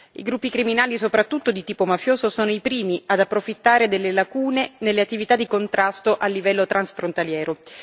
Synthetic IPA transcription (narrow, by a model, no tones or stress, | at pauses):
ḭɡɾupːikɾiminaːlisopɾat̪ːut̪ːod̪it̪iːpomafjoːzosoːnoipɾiːmiad̪apːɾofit̪ːaːɾed̪elːelakuːnenelːeat̪ːivit̪ad̪ikont̪ɾʔast̪oʔalːivɛlːot̪ɾʔansfɾont̪aljɛːɾo